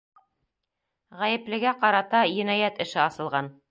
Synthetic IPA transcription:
ʁæjɘ̆plɘ̆ɡæqɑɾɑt̪ɑjɘ̆næjæt̪ɘ̆ʃɘɑsɤ̆lˠʁɑn

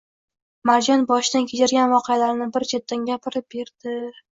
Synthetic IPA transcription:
maɾd͡ʒɒnbɒʃd̪ankʲʰet͡ʃʰaɾɡʲanvɒqʰejalaɾnɪbɪɾd͡ʒʰet̪ːanɡʲapʰɪɾɪp̚be̞ɾd̪̥ɪ

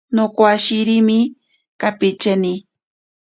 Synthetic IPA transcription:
nokwaʃiɾimi | kapit͡ʃeni

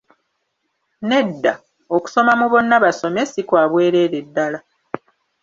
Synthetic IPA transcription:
ne̞dːa | oku̥so̞mamuβo̞nːaβaso̞mesikwaːβwe̞ːɾe̞ːɾedːala

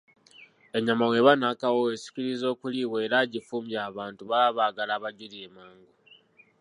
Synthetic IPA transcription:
e̞ɲamawe̞βanakawoesi̥ciɾizo̞ːkuliwe̞ːɾaɟifuːmbjaːβaːntuβaβaɡalaːβaɟiɾie̞maːŋɡo

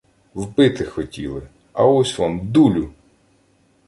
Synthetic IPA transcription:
wpɪt̪ɪxɔtʲḭlˠɪ̰ | ɐ̰ɔsʲʋamd̪ulʲʊ

